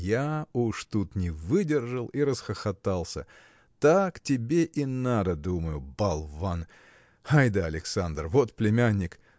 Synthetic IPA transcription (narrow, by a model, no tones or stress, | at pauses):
jauʂt̪ut̪nʲɪvɨdʲɪrʐəlˠiɾəsxəxɐt̪alˠsʲə̰ | t̪aktʲɪbʲeʔinad̪əd̪uməjʊbɐlˠvan | ajd̪əɐlʲɪksand̪rvot̪plʲɪmʲanʲːɪk